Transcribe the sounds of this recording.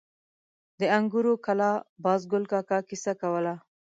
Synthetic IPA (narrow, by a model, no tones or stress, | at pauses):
d̪əaŋɡuɾokalɑbɑzɡʊlkɑkɑkisakawəla